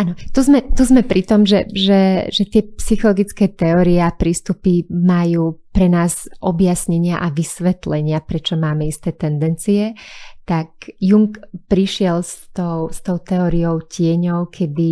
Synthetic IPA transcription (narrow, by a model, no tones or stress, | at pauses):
anɔt̪uzmɛt̪uzmɛpɾit̪ɔmʒɛʒɛʒɛt̪ɪɛpsixɔlɔɡit͡skɛːt̪ɛɔɾiɛapɾiːst̪upimajuːpɾɛnaːzʔɔbjasɲɛɲɪaʔaʋisʋɛt̪lɛɲɪapɾɛt͡ʃɔmaːmɛist̪ɛːt̪ɛnd̪ɛnt͡siɛt̪akjuŋkpɾiʃɪɛlst̪ɔʊst̪ɔʊt̪ɛɔːɾijɔʊcɪɛɲɔʊkʰɛd̪i